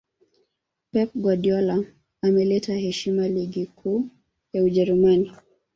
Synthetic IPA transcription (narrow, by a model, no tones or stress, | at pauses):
pɛp̚ɡwaɗiɔla | amɛlɛtahɛʃimaliɡikʰuː | jauʄɛɾumani